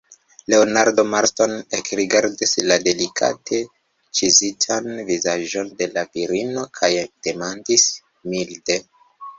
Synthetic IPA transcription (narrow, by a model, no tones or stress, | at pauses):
le̞onaɾdo̞maɾto̞nekɾiɡaɾdislade̞likʰa̰tʰe̞ | t͡ʃizitʰanvizaʒo̞nde̞laviɾino̞kʰajd̥e̞mandis | milde̞